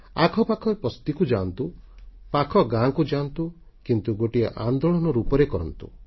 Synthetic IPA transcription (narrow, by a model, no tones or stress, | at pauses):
akʰɔpakʰɔpɔst̪ikud͡ʒant̪u | pakʰɔɡãkud͡ʒant̪u | kint̪uɡoʈiḛʔand̪oɭɔnɔɾupɔɾekɔɾɔnt̪u̥̰